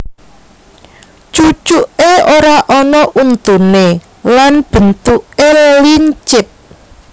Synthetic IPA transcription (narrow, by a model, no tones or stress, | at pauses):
t͡ʃut͡ʃuʔeoɾaʔɔnɔʔunt̪une | lanb̥ə̤nt̪uʔelliɲt͡ʃɪt̪̚